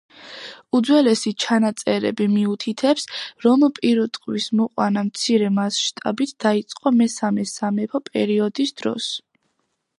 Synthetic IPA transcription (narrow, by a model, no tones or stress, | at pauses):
ud̪zwɛlɛsit͡ʃʰanat̪sʼɛɾɛ̰bimiut̪ʰit̪ʰɛpsɾɔmpʼiɾut̪ʼqʼwismɔqʼwa̰namt̪sʰiɾɛmasʃt̪ʼa̰bit̪ʰd̪̥ait̪sʼqʼɔmɛsamɛsamɛpʰɔpʼɛ̰ɾiɔd̪isd̪̥ɾɔ̰s